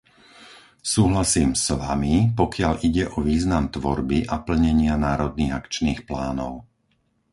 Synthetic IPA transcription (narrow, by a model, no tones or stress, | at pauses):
suːɦlasiːmsʋamipɔkɪaʎiɟɛʔɔʋiːznamt̪ʋɔɾbiʔapl̩ɲɛɲɪanaːɾɔd̪̚niːɣakt͡ʃniːxplaːnɔʊ